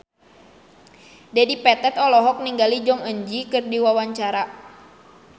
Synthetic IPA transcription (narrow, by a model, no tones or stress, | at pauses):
dɛdipɛt̪ɛt̪ɔlɔɦɔk̚niŋɡalid͡ʒɔŋəɲd͡ʒikɨrdiwawaɲt͡ʃaɾa